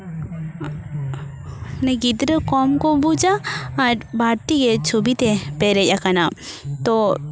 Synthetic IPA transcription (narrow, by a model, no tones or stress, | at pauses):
neɡid̪ɾəkoːmkobud͡ʒaːɾbʱaːɾt̪iket͡ʃʰubit̪epeɾejakɐnat̪o